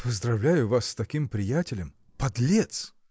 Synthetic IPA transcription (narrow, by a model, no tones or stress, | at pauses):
pəzd̪ɾɐvlʲæjʊvasːt̪ɐkʲimpɾʲɪjætʲɪlʲəm | pɐd̪lʲet̪s